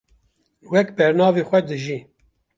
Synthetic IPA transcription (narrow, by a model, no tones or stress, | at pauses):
wɛkbɛɾnɑːveːxʷɛd̪ɨʒi